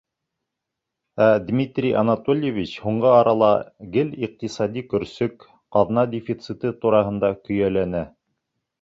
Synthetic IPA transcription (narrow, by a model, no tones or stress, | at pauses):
æd̪mʲit̪rʲijʔɑ̰nɑt̪olʲjevʲit͡ɕhuɴɢɤɑɾɑlˠɑɡɘliq̚t̪isɑd̪ʲikɵ̆ɾsɵk | qɑðnɑd̪ʲɪfʲit̪sɨt̪ɤt̪uɾɑɦɤ̆nd̪ɑkɵ̆jælænæ